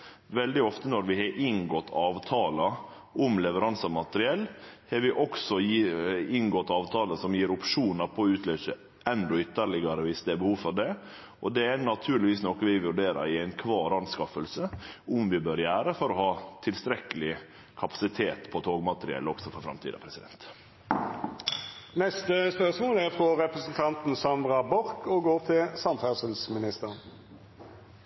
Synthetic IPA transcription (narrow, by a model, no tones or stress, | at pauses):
ʋɛld̪ɪɔft̪ənɔɾʋɪhɑɾʔɪŋɡɔt̪ʰːɑːʋt̪ʰɑːlə | ʊmlɛʋəɾɑnsəmɑt̪əɾɪɛlːhɑɾʋɪʔɔksɔjɪŋɡɔt̪ːɑːʋt̪ʰɑːləsɔmjiːɾʊpʂuːnəɾpʰɔʉːt̪ʰløːsə | ɛnd̪ɔʏt̪ːəɾɭɪɡɑɾəʋɪsd̪ɛæbəhuːʋfɔɾɖɛ | ʔɔd̪ɛænɑt̪ʰʉːɾlɪʋiːsnɔkəʋɪʋʉɾɖeːɾə̰ɾɪæɪnkʰʋɑːɾɑnskɑfəlsəʊmʋɪbøːɾjæːɾəfɔɾɔhɑːt̪ʰɪlst̪ɾɛkəlɪ | kʰɑpɑ̥sɪt̪ʰeːt̪pʰɔt̪ʰoːɡmɑt̪əɾɪɛ̰lːəɔɡsɔfɔɾfɾɑ̰mt̪ʰiːd̪ɑ̰pʰɾɛsɪd̪ɛ̰nt̪ | nɛst̪əspœʁsmoːlæfɾɔʁɛpɾəsənt̪ʰɑnt̪n̩sɑnd̪ɾɑbɔɾkɔɡoːɾt̪ʰɪlsɑnfæsəlsmɪnɪst̪əʁən